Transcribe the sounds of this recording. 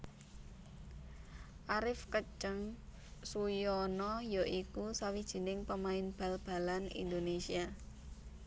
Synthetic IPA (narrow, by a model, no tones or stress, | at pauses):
ʔaɾɪfkət͡ʃəŋ | sujɔnɔjɔʔikusawid̥ʒ̥ə̤nɪŋpəmaɪnb̥a̤lb̥a̤lanḭnd̪onesia